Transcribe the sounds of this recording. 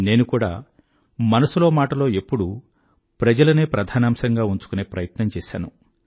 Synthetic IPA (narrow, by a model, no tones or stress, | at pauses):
ne̞ːnukuːɽa̰ː | mɐnɐsulo̞ːmaːʈɐlo̞ːe̞pːuɽu | pɾɐd͡ʒɐlɐneːpɾɐd̪ʱaːnaːmsɐŋɡaːuɲt͡ʃu̥kuneːpɾɐjɐt̪nɐmt͡ʃɛːʃa̰ːnu